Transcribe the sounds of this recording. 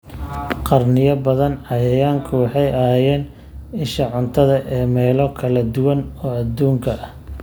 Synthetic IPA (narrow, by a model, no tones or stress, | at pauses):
qɑrnɪjɐbɐðɐnʕɑjɐjaːŋkʰʊwɑħɑjʔɐɦaːjɛːn | ɪʃɐʕʊnt̪ʰɐðɐʔɛːmɛːlɔkʰɐlɐd̪ʊwɐnɔːɐd̪uːŋkʰɐʔɐ